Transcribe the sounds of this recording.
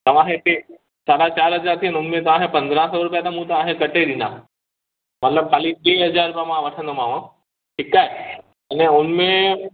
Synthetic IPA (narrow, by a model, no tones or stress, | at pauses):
t̪ɐʋ̤ãːɦẽʈe | saːɽat͡ʃaːɾɦɐzaːɾt̪ʰiənʊnmẽt̪ãːɦẽpɐ̃nd̪ɾãsoɾʊp̬jat̪ʰamũt̪oãːɦẽkɐʈed̪ina̰ | mɐt̪ləb̚kʰaːlit̪eːɦɐzaːɾʊpamãʋɐʈʰə̃nd̪omãːʋã | ʈʰikaːe | ɐneʊnmẽ